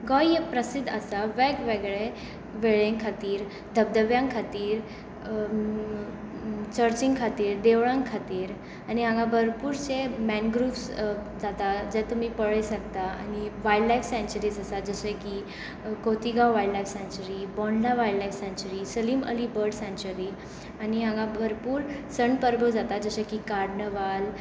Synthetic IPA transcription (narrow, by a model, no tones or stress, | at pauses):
ɡɔjepɾəsid̪ʱəsaʋɛkʋeɡɭe | ʋeɭẽŋkʰat̪iːɾ | d̪ʱəb̚d̪əʋjãŋkʰat̪iːɾ | t͡ɕəɾt͡ɕĩŋkʰat̪iːɾd̪eʋɭãŋkʰat̪iːɾ | aniɦãŋɡãbʱəɾpuːɾt͡semɛnɡɾuːfs | d͡zat̪ad͡zɛt̪umipəɭəjsəɡ̚t̪aa̰niʋajɖlajfsɛ̃nt͡ɕəɾiːd͡zəsad͡zəɕẽki | kot̪iɡawʋajɖlajfsɛ̃ɲt͡ɕəɾibɔ̃ɳɖnaʋajɖlajfsɛ̃ɲt͡ɕəɾisəliːmə̰libəɾɖsɛ̃ɲt͡ɕuɾi | aniãŋɡãbʱəɾpuːɾsəɳpəɾbəd͡zat̪ad͡zəɕə̃kikaɾɽɳəʋal